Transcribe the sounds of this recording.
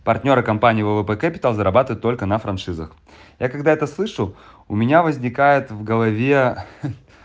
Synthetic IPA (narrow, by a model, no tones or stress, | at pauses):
pɐrt̪ʲnʲo̞ɾɨkɐmpanʲɪjvəvəpɛkɐpʲɪ̥t̪əlˠzəɾɐbat̪ɨvəɪt̪ːo̞lʲkənəfɾɐnʂɨzə̰x | jʔakɐɡd̪aɛt̪əslˠɨʂʊ | ʊmʲɪnʲavəzʲnʲɪkajɪt̪vɡəlˠɐvʲe